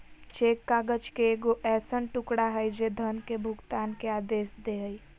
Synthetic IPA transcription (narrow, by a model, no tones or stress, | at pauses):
t͡ʃeːkːaːɡəd͡ʒkeeːɡoʔɛːsənʈʊkɽaɦəjd͡ʒed̪ʱənkebʱʊɡt̪aːnkeaːd̪eːsd̪eɦəi